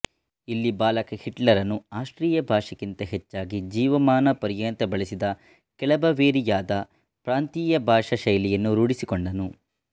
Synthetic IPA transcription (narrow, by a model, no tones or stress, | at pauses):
ilːibaːlɐkɐhiʈlɐɾɐnːuaːʂʈɾiːjɐbʱaːʂɐkint̪ɐɦet͡ʃːaːɡid͡ʒiːʋɐmaːnɐpɐɾjɐnt̪ɐbɐɭisid̪ɐ | kɛɭɐbɐʋeːɾijaːd̪ɐ | pɾaːnt̪iːjɐbʱaːʂɐʃɐjlijɐnːuɾuɽisikoɳɖɐnu